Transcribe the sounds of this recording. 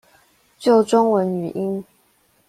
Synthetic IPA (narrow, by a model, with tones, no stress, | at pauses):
t͡ɕjo˥˩ʊʈ͡ʂʊ˥ŋwə˧˦˥ny̰˨˩ʔi˦˥n